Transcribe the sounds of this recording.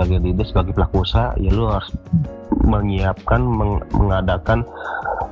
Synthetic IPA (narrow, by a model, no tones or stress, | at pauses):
aɡajdidɪsbaɡajplakosaḭjaluɦaɾʊs | məŋiap̚kanməməŋadakan